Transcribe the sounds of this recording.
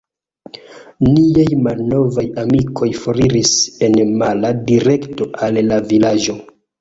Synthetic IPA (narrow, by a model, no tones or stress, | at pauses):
niajmalno̞vajamikʰo̞jfo̞ɾiɾise̞nmaladiɾe̞kto̞ʔalːavilad͡ʒo̞